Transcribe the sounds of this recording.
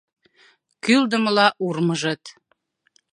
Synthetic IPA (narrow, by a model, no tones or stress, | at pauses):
kyld̪əməlɑʔurməʒə̆t̪